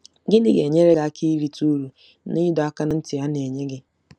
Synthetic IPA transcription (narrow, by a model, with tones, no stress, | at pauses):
ɡɪ˦dɪ˨ɡe˨ɲe˦ɾe˦ɡa˦a˦kʰi˦i˦ɾi˨tu˦ɾu˨ | ni˦dɔ˨a˦ka˦na˦n̩˦tɪ˨ja˦ne˨ɲe˦ɡɪ˦